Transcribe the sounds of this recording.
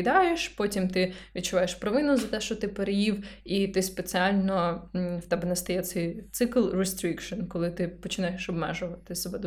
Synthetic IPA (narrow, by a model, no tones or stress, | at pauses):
d̪ɑjeʃpɔtʲimt̪ɪʋʲid̪̚t͡ʃʊʋɑjeʃpɾɔʋɪnʊzɐt̪ɛʃt͡ʃɔt̪ɪpeɾejiwit̪ɪspet͡sʲiɑlʲnɔw̥t̪ɛbɛnɐst̪ɐjɛt̪sɛjt̪sɪklˠrest̪ɾʲikʃɔnkɔlˠɪt̪ɪpɔt͡ʃɪnɑjeʃɔbmɛʒʊʋɐt̪ɪsɔbɛd̪